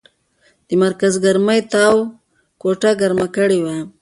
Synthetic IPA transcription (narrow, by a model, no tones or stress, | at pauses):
d̪̥əmaɾkazɡaɾməjt̪aw | koʈaɡaɾmakəɽiwa